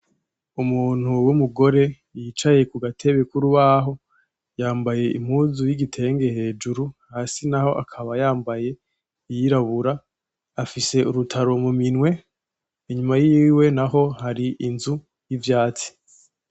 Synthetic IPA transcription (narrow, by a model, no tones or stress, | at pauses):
umuːn̥huwumuɡo̞ɾe̞ | jiːt͡ʃaje̞kuɡatʰe̞βekuɾuβaɦo̞ | jaːmbaje̞ḭm̥huzujiɡitʰe̞ːŋɡe̞he̞ːd͡ʒuɾuhaːsinaho̞ʔakʰaβajaːmbaje̞ | ijiɾaβuɾaː | fise̞uɾutʰaɾo̞muminwe̞ | iɲumajiːwe̞naɦo̞haɾiʔinzu | jivjaːt͡si̥